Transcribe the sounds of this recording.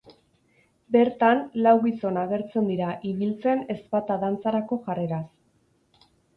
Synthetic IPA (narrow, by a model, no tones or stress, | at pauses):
be̞ɾt̪anlawɣiso̞naɣe̞ɾt͡se̞nd̪iɾaʔiβilt͡se̞ne̞spat̪aðant͡saɾako̞ʝare̞ɾas